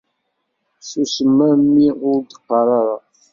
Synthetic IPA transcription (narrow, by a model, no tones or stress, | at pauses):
susəmːæmːiʊɾd̪əqːɑɾˤɑɾˤɑ